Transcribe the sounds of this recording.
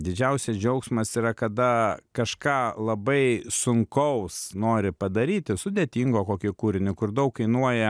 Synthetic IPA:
d̪ʲɪd͡ʒʲɛʊsʲɛsd͡ʒʲɛʊksmɐsiːɾɐkɐd̪ɐkɐʃkɑːlˠɐbɐɪsʊŋkɐʊsnoːɾʲɪpɐd̪ɐɾʲiːt̪ʲɪsʊd̪ʲeːt̪ʲiːŋɡoːkoːkʲɪkuːɾʲɪnʲɪkʊrd̪ɐʊkkɐɪnuɔjɛ

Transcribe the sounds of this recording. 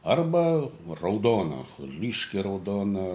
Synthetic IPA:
ɐrbɐrɐʊd̪oːnɐ̰lʲiːʃʲkʲɪɾɐʊd̪oːnɐ

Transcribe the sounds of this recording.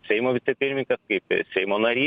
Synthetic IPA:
sʲɛɪmoʋʲɪt̪sʲɛpʲɪɾʲmʲɪŋʲkʲɐskɐɪpsʲɛɪmonɐɾʲiː

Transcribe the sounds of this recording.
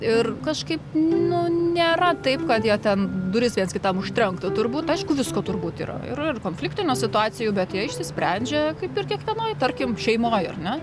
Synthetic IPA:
ɪrkɐʃkɐɪpnʊnʲeːɾɐt̪ɐɪpkɐt̪jiɛt̪ʲɛnd̪ʊɾʲɪsʋʲiɛnsʲkʲɪt̪ɐmʊʃʲt̪ʲɾʲɛŋkt̪ɐt̪ʊrbuːt̪ɐɪʃkʊʋʲɪskoːt̪ʊrbuːt̪ḭːɾɐ̰ɪ̰rɪrkoːnfʲlʲɪkt̪ʲɪnʲuːsʲɪt̪ʊɑːt͡s̪ʲɪjʊbʲɛt̪jiɛɪʃʲsʲɪsʲpʲɾʲænʲd͡ʒʲɛkɐɪpɪrkʲiɛkʋʲiɛnoːjt̪ɐrʲkʲɪmʃʲɛɪmoːjɐ̰rnʲɛ

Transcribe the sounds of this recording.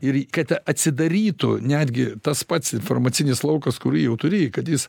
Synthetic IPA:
ɪɾkɐt̪ɐt̪ʲsʲɪd̪ɐɾʲiːt̪ʊnʲæːd̪ʲɡʲɪt̪ɐspɐt̪sɪnformɐt͡s̪ʲɪnʲɪslˠɐʊkɐskʊɾʲiːjɛʊt̪ʊɾʲeːjɪkɐt̪jɪs

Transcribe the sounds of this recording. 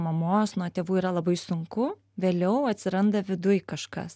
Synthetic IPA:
mɐmoːsnuɔt̪ʲeːʋuːiɾɐlˠɐbɐɪsʊŋkʊ | ʋʲeːlʲɛʊɐt̪ʲsʲɪɾɐnd̪ɐʋʲɪd̪ʊjkɐʃkɐ̰s

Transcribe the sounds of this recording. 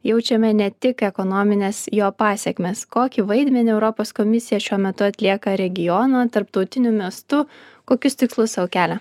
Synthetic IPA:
jɛʊt͡ʃʲɛmʲɛnʲɛt̪ʲɪkɛkɔnɔmʲɪnʲeːsjoːpɑːsʲɛkʲmʲeːskoːkʲiʋɐɪd̪ʲmʲɛnʲɪɛʊɾɔpoːskɔmʲɪsʲɪjɛʃʲuɔmʲɛt̪ʊɐt̪ʲlʲiɛkɐɾʲɛɡʲɪjɔnɐːt̪ɐɾpt̪ɐʊt̪ʲɪnʲʊmʲiɛst̪ʊkoːkʲʊst̪ʲɪkslˠʊssɐwkʲæːlʲɛ

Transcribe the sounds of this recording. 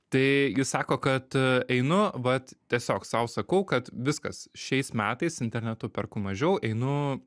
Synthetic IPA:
t̪ɐɪjɪssɑːkoːkɐt̪ɛɪnʊʋɐt̪t̪ʲiɛsʲoːksɑʊsɐkɐʊkɐt̪ʋʲɪskɐ̰sʃʲɛɪsmʲæːt̪ɐɪsɪnʲt̪ʲɛɾʲnʲɛt̪ʊpʲɛrkʊmɐʒʲɛʊɛɪnʊ

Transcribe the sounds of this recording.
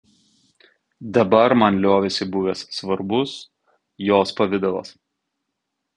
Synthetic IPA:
d̪ɐbɐɾmɐnlʲoːʋʲɛsʲɪbʊʋʲeːssʋɐɾbʊs | joːspɐʋʲɪd̪ɐʋo̰ːs

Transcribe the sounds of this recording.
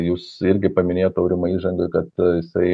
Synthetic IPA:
juːsɪɾʲɡʲɪpɐmʲɪnʲeːjoːt̪ɐʊɾʲɪmɐiːʒɐŋɡɐkɐt̪jɪsɐɪ

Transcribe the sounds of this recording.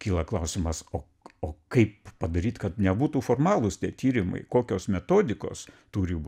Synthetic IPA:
kʲiːlˠɐklˠɐʊsʲɪmɐsoː | oːkɐɪppɐd̪ɐɾʲiːt̪kɐt̪nʲɛbuːt̪uːfoːrmɑːlˠʊst̪ʲiɛt̪ʲiːɾʲɪmɐ̰ɪkoːkʲoːsmʲɛt̪oːd̪ʲɪko̰ːst̪uːɾʲɪ

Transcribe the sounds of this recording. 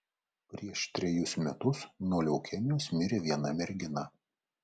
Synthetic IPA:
pʲɾʲiɛʃt̪ʲɾʲɛjʊsmʲɛt̪ʊsnɔːlʲɛʊkʲɛmʲɪjoːsmʲɪɾʲeːʋʲiɛnɐmʲɛɾʲɡʲɪnɑ

